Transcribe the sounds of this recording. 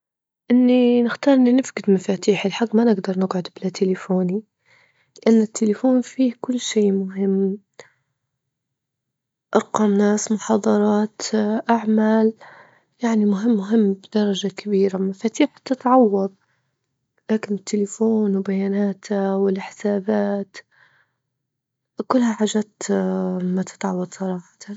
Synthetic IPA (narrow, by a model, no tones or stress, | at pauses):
ʔɪnːinɪxt̪ɑːɾˤʔɪnːinɪfɡɪd̪mafaːt̪iːħɪlħaɡːmanɪɡd̪ɑɾˤnɪɡʕʊd̪bɪlat̪ʰɪlɪfoːni | lɪʔanːɪt̪ʰːɪlɪfoːnfiːkʊlːʃeːmʊɦɪmː | ʔɑɾˤqɑːmnaːsmʊħɑːd̪ˤɑɾˤɑːt̪ʔaʕmaːl | jaʕnimʊɦɪmːʊɦɪmːbɪd̪ɑɾˤɑʒakabiːɾamafaːt̪iːħt̪ɪt̪ʕɑwːɑd̪ˤ | laːkɪnɪt̪ʰːɪlɪfoːnwbajaːnaːt̪ʰawɪlħɪ̥saːbaːt̪ | kʊlːhaħaːʒat̪ | mat̪ɪ̥t̪ʕɑwːɑd̪ˤsˤɑɾˤɑːħɑ̥t̪ʰa